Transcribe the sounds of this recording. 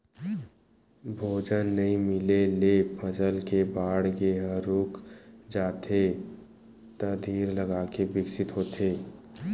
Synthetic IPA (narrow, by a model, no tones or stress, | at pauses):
bʱoːd͡ʒənːəĩmɪlelepʰəd͡ʒəlkebaːɽɡeɦəɾuːkd͡ʒaːt̪ʰe | t̪əd̪ʱiːɾləɡaːkebɪksɪt̪ɦoːt̪ʰeː